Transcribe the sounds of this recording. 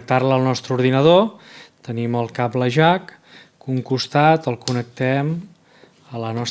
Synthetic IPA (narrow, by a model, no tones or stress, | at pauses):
k̚t̪arləːlˠnɔst̪ɾəuɾðinəð̞ot̪əniməlˠkapləʒakː | uŋkust̪at̪əlˠkunək̚t̪ɛm | ələnɔs